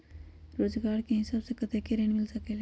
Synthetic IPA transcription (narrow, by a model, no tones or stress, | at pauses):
ɾoːd͡ʒɡaɾkeɦĩsəbsekət̪ekeɾenmilsəkɛl